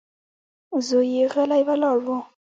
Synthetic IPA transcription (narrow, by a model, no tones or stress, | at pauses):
zojiɣɛlaiβalaːlɔ